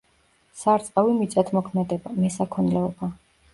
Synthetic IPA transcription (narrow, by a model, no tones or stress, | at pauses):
saɾt̪sʼqʼavimit̪sʼat̪ʰmɔkʰmɛd̪ɛbamɛsakʰɔnlɛɔba